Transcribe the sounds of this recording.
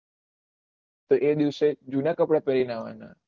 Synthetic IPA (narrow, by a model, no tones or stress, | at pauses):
t̪oʔed̪iʋsed͡ʒunakəpɽapəɾinaʋa̰na̰